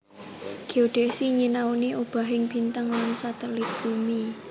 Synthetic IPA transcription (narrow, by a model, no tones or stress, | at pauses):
ɡ̥eod̪̥ɛsiɲinauniʔob̥a̤ɦɪŋb̥int̪əŋanusat̪əlit̪̚b̥umi